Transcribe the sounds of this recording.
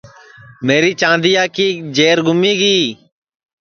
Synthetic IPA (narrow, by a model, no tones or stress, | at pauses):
meːɾiːt͡ʃãːnd̪ijaːkiːd͡ʒeːɾɡʱʊmiːɡiː